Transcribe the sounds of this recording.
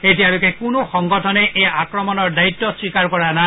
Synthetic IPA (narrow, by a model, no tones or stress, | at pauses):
et̬ijalokʰɛkʊnoxɔŋɡɔtʰɔnɛʔejakɹɔmɔnɔɹdajitːɔsɹikaɹkɔɹana